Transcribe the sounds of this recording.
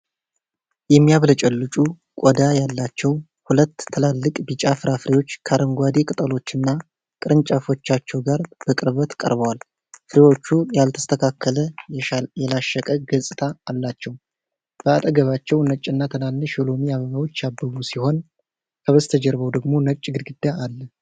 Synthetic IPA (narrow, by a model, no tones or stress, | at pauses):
jɛmːijaβlət͡ʃʼɛlːɨt͡ʃʼu | kʼɔd̪ajalːat͡ʃːɛw | hulət̪ʰːəlalːɨkʼbit͡ʃʼafɨɾafɨɾewo̞t͡ʃːkʰaɾəŋɡʷad̪ekʼɨt̪ʼəlo̞t͡ʃːɨnːa | kʼɨɾɨnt͡ʃʼafo̞t͡ʃːat͡ʃːɛwɡaɾb̥əkʼɨɾβət̪kʼə̰ɾbəwal | fɨɾewo̞t͡ʃːujalt̪ʰə̥st̪ʰəkʰakːələjɛlaʃːəkʼəɡəsʼɨt̪ʰaːlːat͡ʃːɛw | b̥əat̪ʼəɡəβat͡ʃːɛwnət͡ʃʼːɨnːat̪ʰənalːɨʃolo̞miaməmawo̞t͡ʃːjabːəβusiho̞n | kʰəβəst̪ʰəd͡ʒɛɾβəwd̪əɡmo̞nət͡ʃʼːɡɨd̪ɡɨd̪ːaːlːə